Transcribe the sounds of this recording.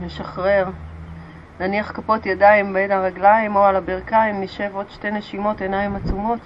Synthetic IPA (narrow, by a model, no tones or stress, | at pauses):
meʃaχʁe̞ʁ | naniaχkapo̞t̪jadaimbenaʁaɡlaimo̞alabiʁkaimniʃe̞vo̞d̪ʃte̞jneʃimo̞te̞naimat͡sumo̞t